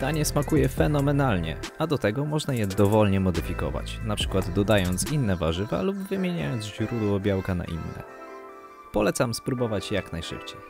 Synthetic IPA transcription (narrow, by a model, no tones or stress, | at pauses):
d̪̥aɲɛsmakujɛfɛnɔmɛnalɲɛ̰ | ad̪ɔt̪ɛɡɔmɔʐnajɛd̪ɔvɔlɲɛmɔd̪ɘfʲikɔ̰va̰t͡ɕnapʂɘ̥kwad̪d̪ɔd̪ajɔnt̪sinːɛvaʐɘva̰lubvɘmʲjeɲa̰jɔnd̪ʑɾud̪wɔbʲjawkana̰ʔḭnːɛ̰ | pɔlɛt̪samspɾubɔvat͡ɕjaknajʂɘ̰pt͡ɕej